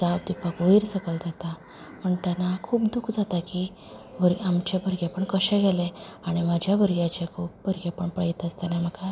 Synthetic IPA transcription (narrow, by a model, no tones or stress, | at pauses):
d͡zabd̪ipakʋəiɾsəkəld͡zat̪a | m̤əɳt̪anakʰuːpd̪ukʰd͡zat̪aki | bʱəɾɡamt͡ɕabʱəɾɡepəɳkəɕɛ̃ɡɛlɛaɽ̃imad͡ʑʱjabʱəɾɡjat͡ɕakʰuːp̚bʱəɾɡeapəɳpəjt̪əst̪anam̤əka